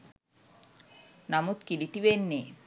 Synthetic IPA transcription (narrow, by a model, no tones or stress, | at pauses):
namut̪kiliʈiʋenːe